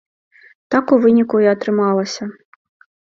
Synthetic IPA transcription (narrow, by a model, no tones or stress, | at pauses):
t̪akuvɨnʲikuiɐt̪ɾɨmalˠɐsʲɐ